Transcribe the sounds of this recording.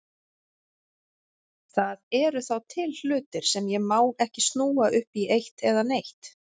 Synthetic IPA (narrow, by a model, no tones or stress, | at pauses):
θaðɛɾʏθawt̪ʰɪll̥ʏːt̪ɪɾ̥sɛmjɛmaːwɛhcɪst̪nuːaʔʏhpiʔejht̪ɛðanejht̪